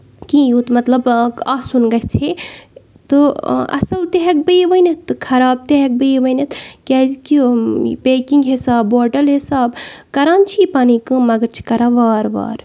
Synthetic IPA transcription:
kĩjut̪mɐt̪lɐbaːsunɡɐɦt͡ʃʰe | t̪ɨɐ̰sɐlt̪eɦɐk̚bəjʋɐjnɐt̪ːɨkʰɐɾaːb̚t̪eɦek̚bɨjʋɐjnet̪ʰkʲaːzkipeːkiŋɡɦisaːbːoːɾʈɐlɦisaːbkɐɾaːnt͡ʃʰipaːnikɨ̃mɐɡɐɾt͡ʃʰi̥kɐɾaʋaːɾʋa̰ːɾ

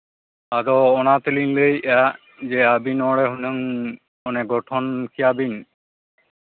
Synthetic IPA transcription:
adɔːnat̪elinleja | d͡ʒeabinɔɽeɦneŋ | ɔneɡɔʈʰɔnkʰiabin

